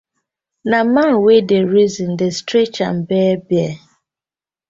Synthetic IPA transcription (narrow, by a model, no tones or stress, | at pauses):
namanwedeɾizĩn̩destɾet͡ʃa̰m̩bɛːbjɛ